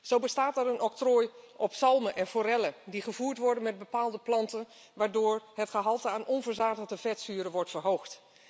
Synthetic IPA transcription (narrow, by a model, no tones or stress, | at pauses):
z̥owbəstaːtaɾənɔk̚trojʔɔpsɑlˠməʔɛnfoɾɛlədiχəvuːɹtʋɔɹdənmɛd̚bəpaːlˠdəplɑntən | ʋaːɹdoːɹhətχəɦɑlˠtəaːnʔɔnvəɹzaːdəlˠdəvɛtsyːɾəʋɔɹtfərɦowxt